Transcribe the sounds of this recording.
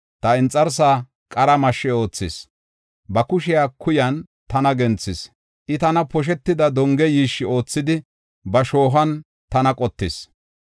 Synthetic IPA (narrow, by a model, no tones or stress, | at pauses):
t̪ɐɪnt͡sʼːɐɾs̬aː | kʼɐɾɐmɐʃːɛo̞ːt͡sːɪs | bɐkʊʃɪjaːkʰʊjɐn | t̪ɐnɐɡɛnt͡sːɪs | ʔɪt̪ɐnɐpɔʃ̬ɛt̪ːɪd̪ɐd̪ɔŋɡɛjiːʃːɪo̞ːt͡sːɪd̪ɪ | bɐʃo̞ːɦɐn | t̪ɐnɐkʼɔt̪ːɪs